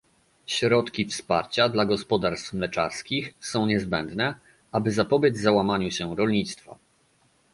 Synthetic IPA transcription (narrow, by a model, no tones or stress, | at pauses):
ɕɾɔt̪kʲifspaɾt͡ɕad̪laɡɔspɔd̪aɾst̪fmlɛt͡ʂa̰ɾskʲixsɔ̃w̃ɲɛzbɛnd̪nɛ | ʔabɘzapɔbʲjɛd͡ʑvzawamaɲuɕɛɾɔlɲit̪st̪fa̰